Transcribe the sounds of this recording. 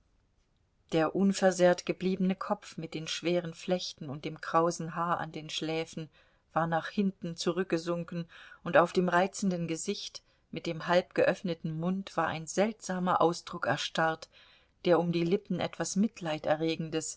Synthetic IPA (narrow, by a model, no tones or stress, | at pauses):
d̥eːɐʔʊnfɛɐzeːɐtɡ̥əbliːbənəkʰɔp͡fmɪt̚d̥eːnʃv̥eːʁ̞ənflɛçtn̩ʊnt̚d̥eːmkʁ̥aʊzn̩ɦaːɐʔa̰ndeːnʃlɛːfn̩ | v̥aːɐnaːχhɪntn̩t͡suʁʏk̚ɡ̥əzʊŋkn̩ʔʊntaʊfd̥eːmʁaɪt͡sn̩dən̩ɡəzɪçt | mɪt̚d̥eːmɦalp̚ɡ̥əʔœfnətn̩mʊntv̥aːɐʔa̰ɪnzɛltz̥aːmɐʔaʊsd̥ʁʊkɛ̰ɐʃtaɐt | d̥eːɐʊmdiːlɪpn̩ʔɛtv̥asmɪtʰlaɪtʔɛɐʁeːɡŋ̩dəs